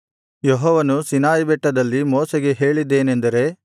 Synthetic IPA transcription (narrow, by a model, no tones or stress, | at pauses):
jɔɦɔːʋɐnusinaːjbɛʈːɐd̪ɐlːimoːsɛɡe̞ɦe̞ːɭid̪ːe̞ːnend̪ɐɾe̞